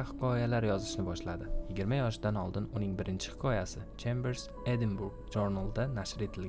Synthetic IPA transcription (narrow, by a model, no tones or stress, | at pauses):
hɨ̥qʰɒjalaɾjɒzɪʃnɪbɒʃlad̪ɪjɪɡʲɪɾmajɒʃd̪anɒlˠd̪ɪnʊnɪŋbɪɾɪnt͡ʃʰɪ̥hɪ̥qʰɒjasɪt͡ʃʰembeɾs | ed̪ɪnbuɾɡd͡ʒoɾnalˠd̪anaʃɾe̞t̪ʰɪlɡʲ